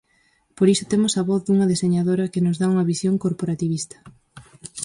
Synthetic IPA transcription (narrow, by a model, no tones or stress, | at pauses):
poɾisʊ̥t̪emʊsɐβɔθd̪uŋɐðeseɲaðoɾɐkɪnʊzðauŋɐβisjoŋkoɾpoɾat̪iβ̞ist̪ɐ̥